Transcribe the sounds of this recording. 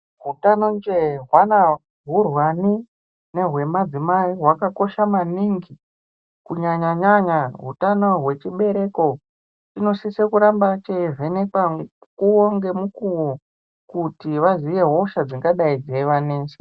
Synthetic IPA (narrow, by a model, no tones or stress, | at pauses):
ɦutanond͡ʒeɦwana | ɦurwani | ne̞ɦwe̞mad͡zimaiɦwakako̞ʃamaniŋɡi | kuɲaɲaɲaɲaɦṵtano̞ɦwe̞t͡ʃiɓe̞ɾe̞ko̞ | t͡ʃino̞sisekuɾambat͡ʃeive̞nekakuoŋɡe̞mukuwo | kutiʋaziʋe̞ɦoʃad͡ziŋɡaɗaid͡zeʋane̞ːse̥